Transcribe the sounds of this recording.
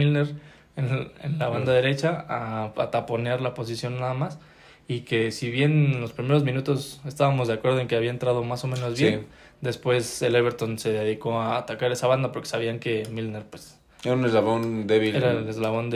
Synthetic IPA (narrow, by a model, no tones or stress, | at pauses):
ilneɾ | enḛnlaβand̪aðe̞ɾe̞t͡ʃaaat̪apo̞njaɾlapo̞s̬isjo̞nːaðamas | ike̞siβje̞nenlo̞spɾime̞ɾo̞zmĩnut̪o̞se̞st̪aβamo̞zðeakwe̞ɾðoe̞ŋke̞aβiaent̪ɾað̞o̞maso̞mẽ̞no̞zβjen | d̪e̞spwe̞seleβe̞ɾt̪o̞nse̞ðe̞ðiko̞aːt̪akaɾe̞saβand̪apo̞ɾkesaβ̞iaŋke̞milneɾpwes | eɾaunezlaβond̪eβieɾaelezlaβo̞nd̪